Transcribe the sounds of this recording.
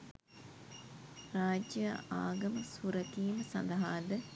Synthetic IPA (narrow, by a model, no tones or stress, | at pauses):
raːd͡ʒjəa̰ːɡɐməsuɾəkiːməsɐ̰nd̪ɐɦaːd̪ə